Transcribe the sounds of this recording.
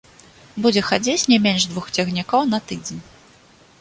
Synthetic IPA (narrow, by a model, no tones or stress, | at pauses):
bud͡zʲɛxad͡zʲet͡sʲnʲɛmʲɛnʐd̪vuxt͡sʲɛɣnʲikɔwn̪ɐt̪ɨd͡zʲenʲ